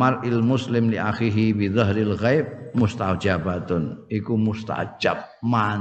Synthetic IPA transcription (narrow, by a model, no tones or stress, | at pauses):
aɾʔɪlmʊslɪmliʔaxiɦibizaɦɾɪlɣajb̚mʊst̪awd͡ʒabat̪ʊnikumʊst̪a̰wt͡ʃa̰b̚man